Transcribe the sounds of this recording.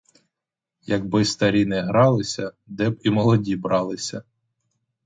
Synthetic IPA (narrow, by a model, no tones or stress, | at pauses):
jɐɡbɪst̪ɐɾʲinɛɦɾɑlˠɪsʲɐ | d̪ɛbimɔlˠɔdʲibɾɑlˠɪsʲɐ